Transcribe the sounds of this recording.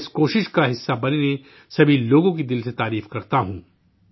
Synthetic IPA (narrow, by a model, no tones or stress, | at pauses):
skoːʃɪʃkaɦɪsːabɐnene | sɐbʱiloːɡõkid̪ɪlset̪aːɾiːfkɐɾt̪aɦũː